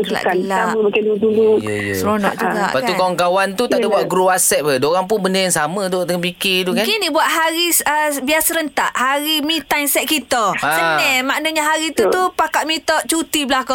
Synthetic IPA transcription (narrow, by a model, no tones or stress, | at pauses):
kla̰ʔkanlaaməməkɪnduduluəjsəɾonɔ̰ʔd͡ʒuɡa̰ʔpaaikaaŋkawant̪ut̪aʔdabwaʔɡɾuasɛt̪̚ədoɾaŋp̬ʊnbəndəjaŋsamə̃t̪ud̪əŋanpikit̪ukankinibuaʔ̪̚ɦaɾisəbiasəɾənt̪aʔhaɾimĩt̪aŋsɛʔ̪̚kit̪ɔasənɛmaʔnəɲaɦaɾit̪ut̪upakat̪̚mit̪ɔʔ̚t͡ʃut̪iblahkɔ